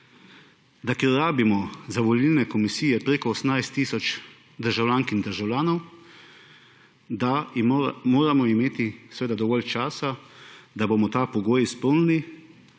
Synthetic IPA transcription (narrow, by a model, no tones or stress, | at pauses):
d̪akeɾːaːbimɔzaʋɔlilnɛkɔmisiːjɛpɾeːkɔːsmnajst̪ːiːsɔt͡ʃ | d̪əɾʒawlʲaːŋkind̪əɾʒawlʲaːnɔw | d̪a | moːɾamɔimeːt̪isʋeːd̪ad̪ɔʋɔlt͡ʃaːsad̪aboːmɔt̪aːpɔɡoːjispəwnini